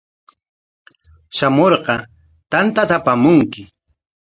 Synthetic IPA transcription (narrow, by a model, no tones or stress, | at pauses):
ʃamoɾqɑ | t̪ant̪at̪apamʊŋkɪ